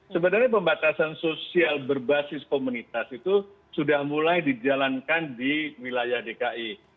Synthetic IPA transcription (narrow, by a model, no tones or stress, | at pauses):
səbənarɲapəmbat̪asansosialbərbasɪskomunit̪asit̪u | sudahmulajdid͡ʒalankandiwilajahdekaʔi